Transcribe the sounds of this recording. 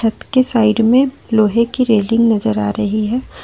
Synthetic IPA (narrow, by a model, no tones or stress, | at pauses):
ɐt̪kesaːɪɖmẽ | loːɦekiɾeːlɪ̃ŋɡnɐzəɾaːɾɐɦiɦɛː